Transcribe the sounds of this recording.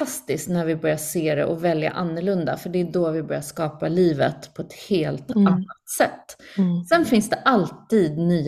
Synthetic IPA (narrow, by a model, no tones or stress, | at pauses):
ast̪ɪsknæɾvɪbœɾjaseːɾɛ̰ʔɔvɛlja̰ʔanːəɭɵnd̪a̰fœɖɛːd̪ɔvɪbœɾjaʂkɑːpaliːvə̰t̪pʰɔɛt̪heːlt̪anːasɛt̪ːsɛnfɪnsd̪ɛʔalt̪iːd̪nyː